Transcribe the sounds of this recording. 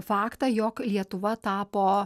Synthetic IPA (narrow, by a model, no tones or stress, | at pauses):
fɑːkt̪ɑjoːklʲiɛt̪ʊʋɐt̪ɑːpoː